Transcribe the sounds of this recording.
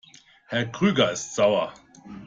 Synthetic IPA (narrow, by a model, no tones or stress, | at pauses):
hɛɐkʁ̥yːɡɐɪstz̥aʊɐ